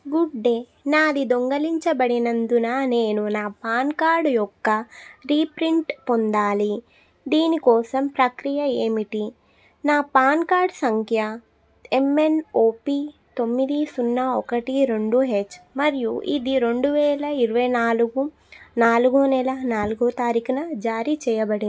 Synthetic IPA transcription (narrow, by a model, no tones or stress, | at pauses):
ɡuɖɖe | naːd̪id̪oŋɡɐliɲt͡ʃɐbɐɽinɐnd̪unaneːnunaːpaːnkaːɾɖjɔkːɐɾiːpɾiɳʈpond̪aːli | d̪iːnikɔːsɐmpɾɐkɾijɐeːmiʈi | naːpaːnkaːɾɖsɐŋkʰjɐ | emːe̞noːpit̪o̞mːid̪isunːɐɔkɐʈiɾeɳɖuɦet͡ʃːmɐɾijuʔḭd̪iɾe̞ɳɖuʋɛːlɐiɾuʋɐjnaːluɡu | naːluɡunɛːlɐnaːluɡut̪aːɾikɐnɐd͡ʒaːɾit͡ʃɛːjɐbɐɽi